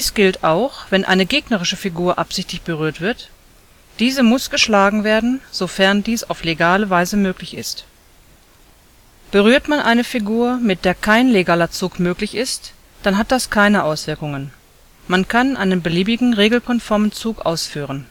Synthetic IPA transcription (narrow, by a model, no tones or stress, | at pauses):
iːsɡ̥ɪltʔaʊxv̥ɛnʔa̰ɪnəɡeːɡnɐʁ̞ɪʃəfiɡuːɐʔapz̥ɪçtlɪçb̥əʁyːɐtv̥ɪɐt | d̥iːzəmʊsɡ̥əʃlaːɡŋ̩veːɐdn̩z̥ofɛɐndiːsa̰ʊfleɡaːləvaɪzəmøːklɪçɪ̰st | b̥əʁyːɐtmanʔaɪnəfiɡuːɐmɪt̚d̥eːɐkʰaɪnleɡaːlɐt͡suːkmøːklɪçɪst | d̥anɦat̚d̥askʰaɪnəʔaʊsv̥ɪɐkʊŋən | mankʰanʔa̰ɪnənbəliːbɪɡŋ̩ʁeːɡl̩kʰɔnfɔɐmənt͡suːkʔa̰ʊsfyːʁ̞ən